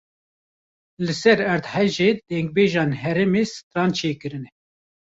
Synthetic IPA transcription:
lɨsɛɾɛɾd̪hɛʒeːd̪̥ɛŋɡ̚beːʒɑːnɦɛɾɛmeːsɨ̥t̪ɾɑːnt͡ʃʰeːkɨɾɨnɛ

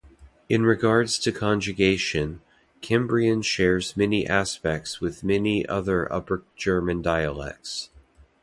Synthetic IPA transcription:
ɨ̃nɹɨɡɑɹdz̥tʰɨkʰɑ̃nd͡ʒɨɡeɪʃɨ̃n | kʰɛ̃mbɹiɨ̃nʃɛɹzmɛniʔæspɛk̚tswɨðmɛniʔʌ̰ðə˞ʔʌ̰pə̥˞d͡ʒ̥ɜ˞mɨ̃ndaɪɨlɛ̰k̚ts

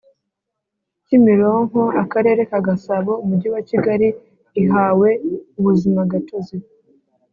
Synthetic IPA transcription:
cimiɾoŋ̥oakaɾe̞ːɾe̞kaɡasaβo̞umuɟiwaciɡaɾiː | ɦaːwe̞uβuzimaɡatozi

